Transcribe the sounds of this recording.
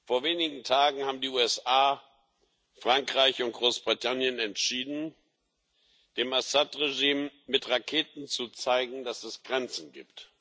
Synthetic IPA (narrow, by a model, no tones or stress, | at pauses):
foːɐveːnɪɡŋ̩tʰaːɡŋ̩haːbm̩diːuːɛsaː | fʁ̥aŋkʁ̥aɪçʊnt̚ɡ̥ʁoːsb̥ʁitʰanjənɛntʃiːdn̩ | d̥eːmasatʁeʒiːmːɪtʁakʰeːtn̩t͡sut͡saɪɡŋ̩d̥asɛsɡ̥ʁɛnt͡sn̩ɡḭːpt